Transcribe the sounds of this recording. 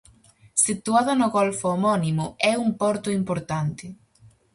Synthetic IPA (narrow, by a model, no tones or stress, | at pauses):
sit̪uaðɐnʊɣɔlfʊomɔnimʊɛumpɔɾt̪ʊimpoɾt̪ant̪ɪ